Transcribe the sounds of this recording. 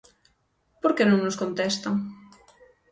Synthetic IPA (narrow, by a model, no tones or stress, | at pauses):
poɾkenõŋnoskont̪ɛst̪ɐŋ